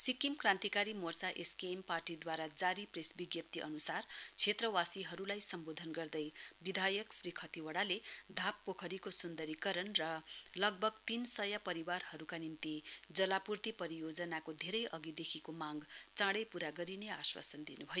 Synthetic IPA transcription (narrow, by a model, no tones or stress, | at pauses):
sikimkrãnt̪ikaɾimort͡saʔeskemparʈid̪waɾad͡zaɾipresbiɡjʌp̚t̪iʔʌ̰nusart͡sʰet̪rʌwasiɦʌɾulajsʌmbod̪ʱʌnɡʌrd̪ʌjbid̪ʱajʌksrikʰʌt̪iwʌɽaled̪ʱapːokʰʌɾikosund̪ʌɾikʌɾʌnrʌlʌɡ̚bʱʌɡt̪insʌjapʌɾiwarhʌɾukanint̪id͡zʌlapurt̪ipʌɾijod͡zʌnakod̪ʱeɾʌjʔʌɡid̪ekʰikomãŋɡt͡sãɽʌjpuɾaɡʌɾineaswa̰sʌnd̪inubʱʌjo